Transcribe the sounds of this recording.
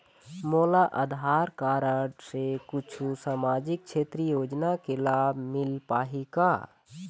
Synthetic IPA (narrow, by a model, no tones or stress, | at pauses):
moːlaʔə̰d̪ʱɦaːɾkaːɾəɽsekʊt͡ʃʰusaːmaːd͡ʒɪk̚t͡ʃʰeːt̪ɾijoːd͡ʒnakelaːbʱmɪlpaːɦikaː